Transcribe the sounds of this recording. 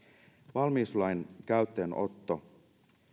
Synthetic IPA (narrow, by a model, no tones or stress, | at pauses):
ʋɑlmiːslɑjnkæyɥt̪ːeːno̞̰t̪ːo